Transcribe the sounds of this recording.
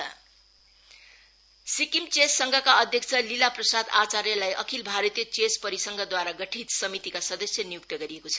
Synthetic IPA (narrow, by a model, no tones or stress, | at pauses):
sikimt͡sesːʌŋɡʱʌkaʌd̪ʱjʌk̚t͡sʰʌlilaprʌsad̪at͡saɾjʌlajʔʌkʰilbʱaɾʌt̪ijʌt͡sespʌɾisʌŋɡʱʌd̪waɾaɡʌʈʰit̪sʌmit̪ikasʌd̪ʌsjʌnijuk̚t̪ʌɡʌɾiekot͡sʰʌ̥